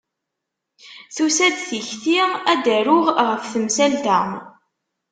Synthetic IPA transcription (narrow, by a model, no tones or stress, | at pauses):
θusæd̪θiçθiæd̪æɾʊʁʁəfθəmsælt̪æm